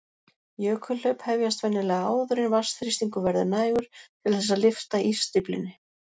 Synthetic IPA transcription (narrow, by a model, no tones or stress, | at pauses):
jœːkʰʏl̥œɥphɛvjast̪vɛnːɪlɛɣaaːwðʏɾɪnvast̪fɾist̪iŋkʏvɛɾðʏnaːjɣʏɾ̥t̪ʰɪlθɛs̬ːalɪft̪aʔir̥st̪ɾiplɪ̰nːɪ